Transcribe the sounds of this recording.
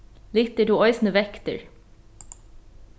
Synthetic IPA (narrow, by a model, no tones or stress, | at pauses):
lɪt̪əʈuːɔʏsn̩əʋɛkt̪ə̰ɹ